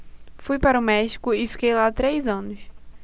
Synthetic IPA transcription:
fujpaɾɐʊmɛʃi̥kʊɪfi̥kejlat̪ɾejzɐ̃nʊs

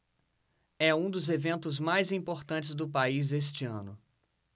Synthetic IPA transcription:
ɛũd̪ʊzevẽnt̪ʊzmajzĩpoɾt̪ɐ̃nt͡ʃɪzd̪ʊpaizest͡ʃɪɐ̰̃nʊ

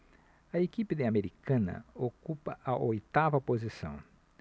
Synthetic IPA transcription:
ɐekipid̪ɪameɾikʰɐ̃nɐ̰okupɐʔɐʔojt̪avɐpozisɐ̰̃w̃

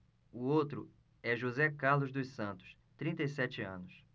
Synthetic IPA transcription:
ʊot̪ɾʊ | ɛʒozɛkaɾlʊzd̪ʊsɐ̃nt̪ʊ̥s | t̪ɾĩt̪ɐisɛt͡ʃɪɐ̃nʊs

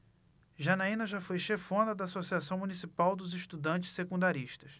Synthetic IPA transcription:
ʒɐnaĩnɐʒafojʃefõnd̪ɐd̪ɐːsosiasɐ̃w̃mũnisipawd̪ʊzɪʃt̪ud̪ɐ̃nt͡ʃɪ̥sekũnd̪aɾiʃt̪ɐs

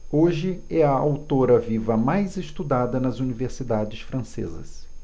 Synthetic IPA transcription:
oʒɪɛɐawt̪oɾɐvivɐmajzɪst̪ud̪ad̪ɐnɐzuniveɾsid̪ad͡ʒɪsfɾɐ̃sḛzɐ̰s

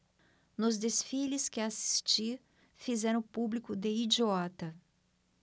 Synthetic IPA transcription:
nʊzd̪esfilɪskɪasi̥st͡ʃiɾ | fizɛɾɐ̃publikʊd̪eid͡ʒiɔt̪ɐ

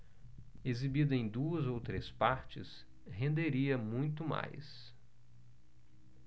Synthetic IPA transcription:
ezibid̪ʊẽj̃d̪uɐzowt̪ɾespaɾt͡ʃɪ̰s | hẽnd̪eɾiɐmũj̃t̪ʊma̰js

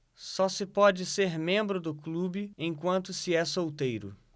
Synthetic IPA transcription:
sɔsɪpɔd͡ʒɪseɾmẽmbɾʊd̪ʊklubɪẽj̃kwɐ̃nt̪ʊsɪɛsowt̪ejɾʊ̰

